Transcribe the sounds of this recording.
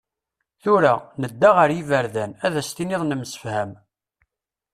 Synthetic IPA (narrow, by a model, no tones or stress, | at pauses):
θʊɾanəd̪ːaʁəɾjivəɾðænæðæst̪inɪðˤnəmsə̥fhæm